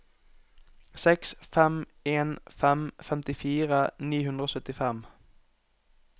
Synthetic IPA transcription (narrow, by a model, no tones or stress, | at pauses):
sɛksfɛm | eːnfɛmfɛmt̪ɪfiːʁəniːɦʉnd̪ʁəoːsœt̪ɪfɛm